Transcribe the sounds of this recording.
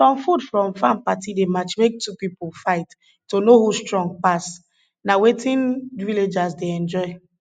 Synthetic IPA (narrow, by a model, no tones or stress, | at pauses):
fɹɔ̃mfudfɹɔ̃mfãmpatidemat͡ʃmek̚tʰupipolfaɪtː | onohustɹɔ̃ŋɡ̚pas | nawetĩnviled͡ʒasdeɛ̃nd͡ʒɔɪ